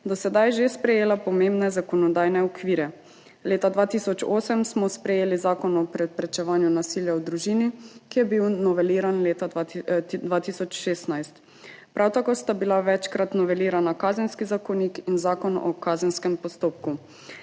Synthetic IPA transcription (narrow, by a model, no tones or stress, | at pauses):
d̪ɔsɛd̪ajʒespɾɛjeːlapɔmẽmbnɛzakɔnɔd̪aːjnɛɔkʋiːɾɛ | leːt̪ad̪ʋaːt̪isɔt͡ʃoːsɛmsmɔspɾɛjeːlizaːkɔnɔpɾɛpɾɛt͡ʃɛʋaːnjunasiːljaɔd̪ɾuʒiːnikijɛbiwnɔʋɛliːɾanlet̪a | d̪ʋaːt̪isɔt͡ʃʃeːst̪najst̪ | pɾʔawt̪akoːst̪abilaʋɛt͡ʃkɾat̪nɔʋɛliːɾanakaːzɛnskizakɔnikinzaːkɔnɔ̰kaːzɛnskɛmpɔst̪oːp̚ku